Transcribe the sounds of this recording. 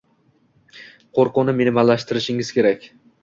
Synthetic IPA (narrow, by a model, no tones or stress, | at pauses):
qʰoɾqʊnɪmenmalːaʃt̪ɪɾɪʃɪŋɪz̥kʲe̞ɾakʲ